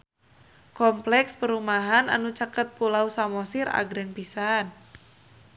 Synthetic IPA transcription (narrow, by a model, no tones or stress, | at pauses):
kɔmplɛkspəɾumaɦana̰nut͡ʃakət̪̚pulausamɔsira̰ɡɾɛŋpisan